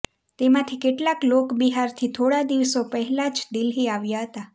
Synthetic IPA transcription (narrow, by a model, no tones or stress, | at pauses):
t̪emãt̪ʰikeʈlaklokbiɦaɾt̪ʰit̪ʰoɽad̪iʋsopəɦɛlad͡ʒd̪ɪlɦiaʋjaɦət̪a